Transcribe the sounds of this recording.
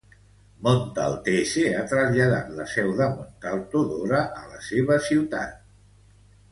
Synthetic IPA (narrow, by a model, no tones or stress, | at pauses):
mont̪a̰lˠt̪eseat̪ɾəzʎəða̰t̪ləsɛwðəmont̪alˠt̪uðoɾəʔələseβ̞əsiwt̪a̰t̪̚